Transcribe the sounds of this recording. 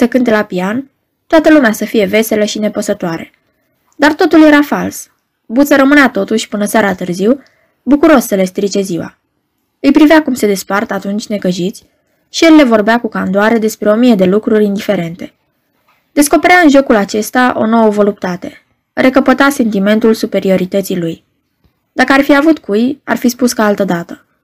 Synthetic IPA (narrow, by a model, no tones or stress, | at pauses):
səkɨnt̪e̞lapian | t̪oat̪əlumeasəfije̞ve̞se̞ləʃine̞pəsət̪oaɾe | d̪art̪o̞t̪ulje̞ɾafals | but̪səɾəmɨneat̪o̞t̪uʃʲpɨnəsaɾat̪ɨrziw | bukuɾo̞ssəle̞st̪ɾit͡ʃe̞ziwa̰ | ɨjpɾivakumse̞d̪e̞spart̪əat̪unt͡ʃʲne̞kəʒit̪sʲ | ʃijelːe̞vo̞rbeakukand̪oaɾe̞d̪e̞spɾe̞o̞mije̞d̪e̞lukɾuɾʲind̪ife̞ɾe̞nt̪e̞̥ | d̪̥e̞sko̞pe̞ɾaɨnʒo̞kulat͡ʃe̞st̪aʔo̞̰no̞wəvo̞lup̚t̪at̪e̞ | re̞kəpət̪ase̞nt̪ime̞nt̪ulsupe̞ɾio̞ɾit̪ət̪siluj | d̪̥akəarfiavut̪kuja̰rfispuskaalt̪əd̪at̪ə̥